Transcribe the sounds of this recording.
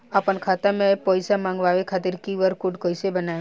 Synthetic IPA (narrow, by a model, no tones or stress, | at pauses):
apənkʰaːt̪amẽpɔːjsamãŋɡʋaːʋekʰaːt̪ɪɾkiʋəɾkʊɖkoːjsebəna